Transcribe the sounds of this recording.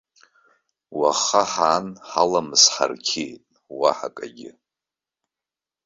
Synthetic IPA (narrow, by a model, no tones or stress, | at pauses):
waχaħaːnħalamɨsħa̰rkʲʰejtʼ | waħakʼaɡʲɪ̰